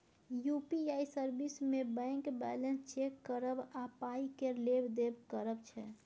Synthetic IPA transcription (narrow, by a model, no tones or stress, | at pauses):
jupiaisəɾbismebɛ̃ŋkbɛlənst͡ʃekːəɾəbapaikelebd̪ebkəɾəbt͡ʃʰɛ